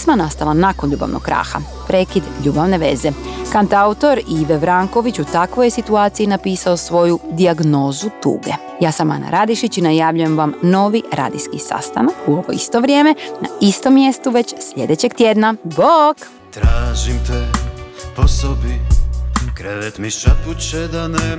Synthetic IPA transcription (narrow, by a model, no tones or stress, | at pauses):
smanast̪alˠanakonʎuːba̰ʋnʔo̰kkɾa̰ːxa̰ | pɾe̞ːkid̪ʎuːbaʋne̞ʋe̞̰ze̞kant̪aut̪o̞ɾiʋeʋɾaŋko̞ʋit͡ɕut̪akʋo̞jesit̪uaːt̪sijinapiːsao̞sʋo̞jud̪iaɡno̞ːzut̪ṵːɡe̞ | jaːsama̰na̰ɾʔad̪iʃit͡ɕinajaːʋʎuje̞mʋamno̞ːʋiɾa̰ːd̪iskisa̰st̪a̰nakuoɡoist̪o̞ʋɾʲje̞ːme̞na̰ist̪o̞mːje̞st̪uʋe̞t͡ɕslʎe̞d̪e̞t͡ɕeɡt̪je̞d̪nabok | t̪ɾaːʒimt̪ɛ | posobi | kɾeʋɛt̪miʃat̪ut͡ʃɛd̪anɛ